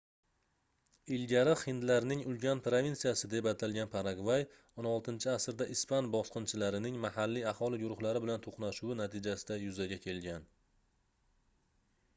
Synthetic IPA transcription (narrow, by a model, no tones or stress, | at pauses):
ɪlɡʲaɾɪχɪnd̪laɾnɪŋʊlɡʲanpɾovʲintsijasɪd̪e̞pat̪ʰalɡʲanpʰaɾaɡvaj | onɒlˠt̪ɪnt͡ʃʰɪasɾd̪aʔɪspanbɒsqɨnt͡ʃʰɪlaɾɪnɪŋmahalːiahɒlˠɪɡʊɾʊχlaɾɪbɪlant̪ʰoqnaʃʊwɪnat̪ʰɪd͡ʒasɪd̪ajʊzaɡʲakʲʰe̞lɡʲan